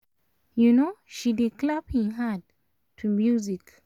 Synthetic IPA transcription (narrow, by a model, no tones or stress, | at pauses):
junoʃidiklaphĩɦad̚ | tʰumjuzik